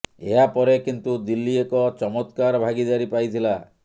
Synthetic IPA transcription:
ḛɦapɔɾekint̪ud̪ilːiekɔt͡ʃɔmɔt̪kaɾbʱaɡid̪aɾipajt̪ʰila

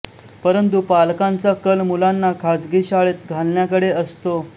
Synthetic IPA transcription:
pəɾənt̪̬upalkant͡səkəlmulanːakʰad͡zɡiːɕaɭet͡sɡʱalnjakəɽeəst̪o

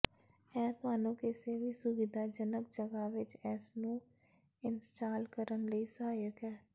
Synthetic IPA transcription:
ɛːt̪ʋaːnõːkeseʋisʊʋɪd̪ʱaːd͡ʒənəkd͡ʒəɡaʋɪt͡ʃɛːsnũː | ɪnsʈaːlkəɾənləisəɦaːjəkɦɛː

